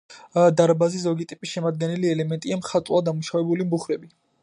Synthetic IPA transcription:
d̪aɾbazizɔɡit̪ʼipʼisʃɛmad̪̚ɡɛniliɛlɛmɛnt̪ʼiamχat̪ʼwˠad̪amuʃavɛbulimbuχɾɛbi

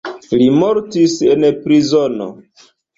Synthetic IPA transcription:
limoɾtise̞npɾizono̰

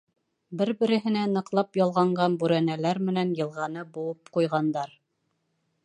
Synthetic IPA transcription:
bɘɾbɘ̆ɾɘ̆ɦɘ̆nænɤ̆qlˠɑpjɑlˠʁɑɴɢɑnbʉɾænælæɾmɘ̆nænjɤ̆lˠʁɑnɤbuwˠɤp̚qujʁɑnd̪ɑɾ

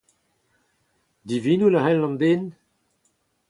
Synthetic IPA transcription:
d̪ivinulahɛlːɑ̃ndeːn

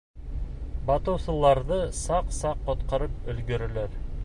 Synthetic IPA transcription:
bɑt̪ɤ̆wsɤ̆lˠɑɾðɤsɑqsɑqːŏt̪qɑɾɤpɵ̆lɡɵ̆ɾɘ̆læɾ

